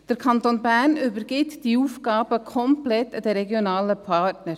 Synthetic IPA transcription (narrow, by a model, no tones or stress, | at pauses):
d̥əɾkʰɑnt̪onbæːɾnʏbəɾɡ̥ɪt̪d̥iuːfkɡɑːb̥əkʰɔmplɛt̪ːəd̥̪ɛɾɛɡjonɑːləpʰɑtnəɾ